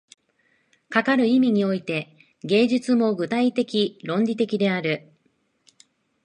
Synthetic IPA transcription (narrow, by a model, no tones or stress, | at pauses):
kakaɾɯ̟imʲiɲ̟io̞it̪e̞ | ɡe̞ːʑɨt͡sɨmo̞ɡɯ̟t̪ait̪e̞kʲiɾõ̞ɲdʲit̪e̞kʲid̪e̞aɾɯ̟